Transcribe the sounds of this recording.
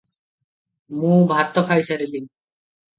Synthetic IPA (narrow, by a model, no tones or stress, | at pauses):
mũbʱat̪ːɔkʰajsaɾid̪iŋ